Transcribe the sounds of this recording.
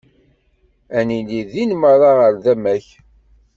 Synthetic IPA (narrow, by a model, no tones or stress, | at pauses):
æniliðinməɾˤɑʁəɾðæmæç